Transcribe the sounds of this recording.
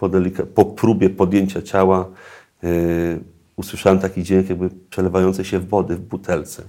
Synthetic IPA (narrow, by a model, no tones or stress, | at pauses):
pɔd̪ɛlʲikapɔpɾubʲjɛpɔd̪ʲjeɲt͡ɕat͡ɕawa | uswɘʂawɛmt̪akʲid͡ʑeŋkjaɡ̚bɘpʂɛlɛvajɔnt̪sɛjɕɛvːɔd̪ɘvbut̪ʰɛlt̪sɛ